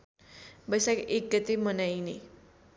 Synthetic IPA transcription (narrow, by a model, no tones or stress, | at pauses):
bʌjsakek̚ːʌt̪emənajne